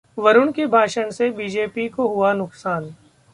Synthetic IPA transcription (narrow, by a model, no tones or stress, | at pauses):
ʋɐɾʊɳkebʱaːʃəɳ̃sebiːd͡ʒeːpikoɦʊanʊksaːn